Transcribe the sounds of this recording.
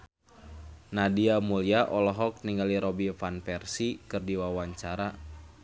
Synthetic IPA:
nadiamuliaʔɔlɔɦɔk̚niŋɡaliɾɔbifanpɛrsikɨrdiwawaɲt͡ʃaɾa

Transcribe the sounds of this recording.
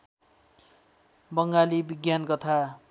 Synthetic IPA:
bʌŋɡalibiɡjankʌt̪ʰa

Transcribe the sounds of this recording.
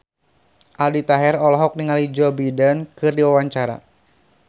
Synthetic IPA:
ʔadit̪aɦɛrɔlɔɦɔk̚niŋalid͡ʒɔbidankɨrdiwawaɲt͡ʃaɾa̰

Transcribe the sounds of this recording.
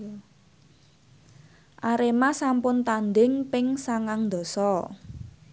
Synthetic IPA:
ʔaɾemasampʊnt̪and̪ɪŋpɪŋsaŋaŋd̪̥ɔ̤sɔ

